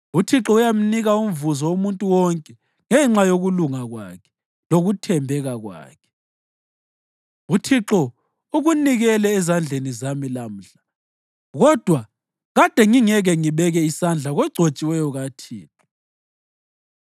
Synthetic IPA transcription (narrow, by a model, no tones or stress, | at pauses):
utʰiǁɔujam̩niɣaum̩vuzɔumuntʼuwɔŋkʼɛ | ŋɛŋ͡ǁajoɣuluŋaɣwa̰kʰɛ̥ | loɣutʰɛmbʱɛɣaɣwa̰ːkʰɛ̥ | utʰiǁɔ | uɣuniɣɛlɛːzand͡ɮʱenizamilam̩ɬḁ | ɣɔd̥ʱwa | ɣad̥ʱɛŋiŋɛɣɛŋiβɛɣɛisand͡ɮʱaɣwɛɡ͡ǀʱot͡ʃʼiwɛjɔɣatʰiːǁɔ